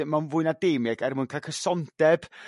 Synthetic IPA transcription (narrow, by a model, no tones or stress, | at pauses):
manvʊːɨnadeːmɛɡɛrmʊɨnkʰakʰəsɔnd̥ɛb̥